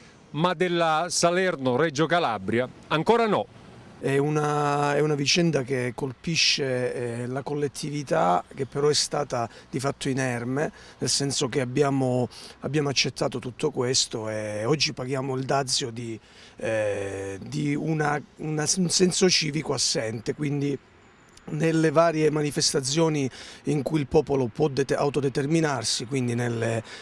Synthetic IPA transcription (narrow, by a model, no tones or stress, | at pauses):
mad̪elːasalɛrnoɾɛd͡ʒokalabɾjaaŋkoːɾanɔ | ɛunaɛunavit͡ʃɛnd̪ak̟ekːolpiʃːelakolːet̪ʰːivit̪ak̟epːeɾɔɛst̪aːt̪ad̪ifat̪ʰːoinɛrme | nelsɛnsokeabːjaːmoabːjaːmoat͡ʃːet̪ʰːaːt̪ot̪ut̪ʰːokwest̪oeɔd͡ʒːipaɡjaːmoild̪at̪sːjod̪i | d̪iunaunaunsɛnsot͡ʃiːvikoasːɛnt̪ekwind̪i | nelːevaːɾjemanifest̪at̪s̬ːjoːniiŋkuilpɔːpolopwɔd̪ea̰wt̪od̪et̪erminarsikwind̪inelːe